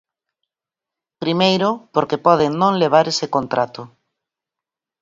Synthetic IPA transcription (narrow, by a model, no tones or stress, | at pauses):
pɾimejɾʊpoɾkepɔðeŋnõŋleβ̞aɾesekont̪ɾat̪ʊ